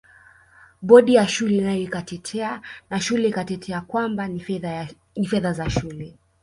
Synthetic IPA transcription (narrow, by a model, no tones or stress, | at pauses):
ɓɔɗijaʃulɛnajɔikatɛtʰɛanaʃulɛikatɛtʰɛakwamba | nifɛðazaʃulɛ